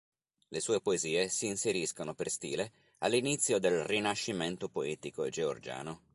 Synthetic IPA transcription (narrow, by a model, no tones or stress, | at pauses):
lesuːepoeziːesiːnseɾiskonoperst̪ḭːle | alːinit̪sːjod̪elrinaʃːiment̪opoɛːt̪ikoed͡ʒeo̰rd͡ʒa̰ːno